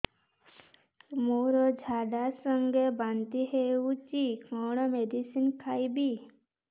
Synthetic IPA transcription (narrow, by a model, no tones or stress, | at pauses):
moɾɔd͡ʒʱaɖasɔŋɡebant̪iɦewut͡ʃikʰɔɽ̃ɔmed̪isinkʰajbi